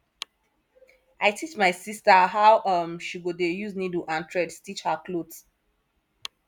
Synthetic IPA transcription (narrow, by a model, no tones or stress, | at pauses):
ʔaɪtʰit͡ʃmaɪsistəɦawʔʌmʃiɡodejuzniduʔãntʰɹɛdstit͡ʃhəklods